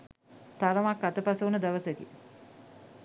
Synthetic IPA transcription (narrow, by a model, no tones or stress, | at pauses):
t̪aɾəmakːat̪əpasounəd̪aʋəsəkḭ